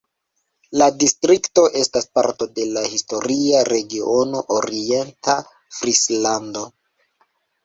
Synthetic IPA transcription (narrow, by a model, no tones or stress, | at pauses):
ladistɾikto̞ʔe̞staspaɾto̞de̞lahisto̞ɾiaɾe̞ɡiono̞ʔoɾie̞ntʰa | fɾislando̞